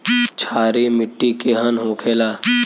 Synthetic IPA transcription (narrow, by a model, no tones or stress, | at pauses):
t͡ʃʰaːɾimɪʈːikeɦənɦõːkʰeːlaː